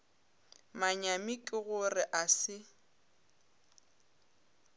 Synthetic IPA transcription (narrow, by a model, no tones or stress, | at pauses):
maɲamikʼɪɣʊrɪʔasɪ